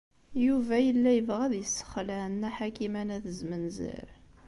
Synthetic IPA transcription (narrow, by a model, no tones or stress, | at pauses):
juvæjəlːæjəvʁæðjəsːə̥χlænːæħakimænæθəzmənzḭɾ